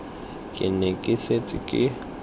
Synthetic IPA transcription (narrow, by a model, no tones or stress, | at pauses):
kʼɪ̰nekʼɪset͡sʼɪkʼɪ